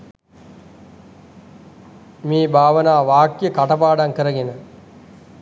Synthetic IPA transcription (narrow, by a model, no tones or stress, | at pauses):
miːbʱaːʋənaːʋaːkjəkaʈɐpaːɖaŋkəɾəɡenə